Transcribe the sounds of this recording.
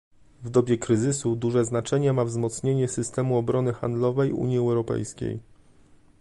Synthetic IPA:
vd̪ɔbʲjɛkɾɘzɘsud̪uʐɛznat͡ʂɛɲɛmavzmɔt̪sɲeɲɛsɘst̪ɛmuɔbɾɔnɘxa̰nd̪lɔvɛjṵɲjiɛwɾɔpɛ̰jskʲḛj

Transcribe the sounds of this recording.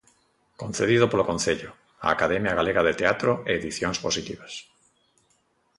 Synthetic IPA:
kon̟θeðiðopolokon̟θeʎʊ | a̰akaðɛmjaɣaleɣaðet̪eat̪ɾoeːðiθjoŋsposit̪iβas

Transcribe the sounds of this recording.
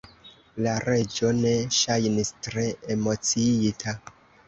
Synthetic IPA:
laɾe̞d͡ʒo̞ne̞ʃajnistɾe̞emo̞t͡siitʰa

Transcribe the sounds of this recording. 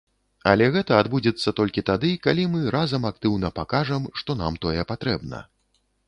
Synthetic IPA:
alʲɛɣɛt̪ɐːd̪bud͡zʲɛt̪sːɐt̪ɔlʲkʲit̪ad̪ɨkalʲimɨɾazɐmak̚t̪ɨwnɐpakaʐɐmʂt̪ɔna̰mt̪ɔjɛpat̪ɾɛbnɐ̰

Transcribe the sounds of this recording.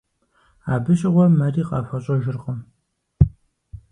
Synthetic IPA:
aːbɨɕʼɪʁʷɔmɐriːqʼɑːfɐɕʼɐʒɪrqəm

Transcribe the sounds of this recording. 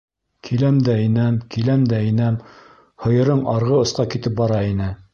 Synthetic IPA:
kʰilæmd̪æinæmkilæmd̪æĭnæm | hɤ̆jɤ̆ɾɤɴɑɾʁɤŏsqɑkit̪ɘp̚bɑɾɑinɘ

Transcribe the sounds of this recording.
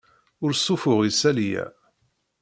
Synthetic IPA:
ʊɾsˤːʊfʊʁisælijæ̰

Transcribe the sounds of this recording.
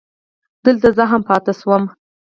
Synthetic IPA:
d̪̥əlt̪azəɦampɑt̪ɪswəm

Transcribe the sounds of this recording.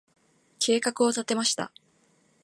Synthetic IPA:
kʰe̞ːkakɯ̟o̞t̪at̪e̞maɕi̥t̪a̰

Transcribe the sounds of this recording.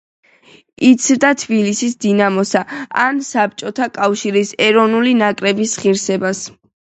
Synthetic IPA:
it̪sʰvd̪at̪ʰbilisisd̪inamɔsaa̰nsap̚t͡ʃʼɔt̪ʰakʼafʃiɾisɛɾɔvnulinakʼɾɛbisχiɾsɛbas

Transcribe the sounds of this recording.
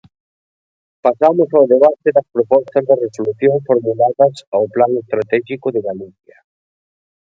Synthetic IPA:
pasamʊsawðeβat̪eðɐspɾopɔst̪ɐzðɪresoluθjõŋfoɾmulaðɐsawplaŋest̪ɾat̪ɛʃikʊðɪɣaliθjɐ

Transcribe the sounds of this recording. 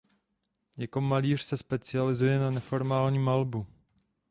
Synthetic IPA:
jɛko̞maliːr̥sɛspɛt͡sɪalɪzujɛnanɛfo̞ɾmaːlɲiːmalbu

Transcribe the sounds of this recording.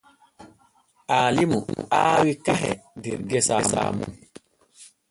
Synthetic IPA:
ʔaːlimṵaːwikaɦɛ̰diɾɡɛsasa̰ːmun

